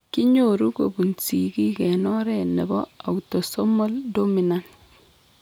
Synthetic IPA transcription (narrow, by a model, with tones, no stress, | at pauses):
ki˦ɲo˨ɾu˦ko̰˨bu˨nsi˨ki˦kɛ˨nɔ˦ɾɛ˨ne˨bɔ˦a̰˨wuto˨so˦mo˦ldo˦mi˨na˦n